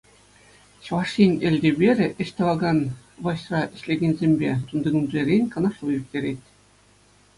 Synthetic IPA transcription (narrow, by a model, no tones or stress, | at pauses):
ɕʋɑʂinʲĕlʲd̪ʲĕbʲeɾʲɘ̆ʔɘ̆ɕʲt̪ʲɤ̆ʋɑɡɑn | ʋɤ̆ɕrɑɘ̆ɕʲlʲeɡʲenʲzʲemʲbʲet̪und̪ɤ̆ɡɤ̆nd̪lʲeɾʲenʲkɤ̆nɤ̆ʂlˠɤ̆jyk̚tʲeɾʲet̪ʲ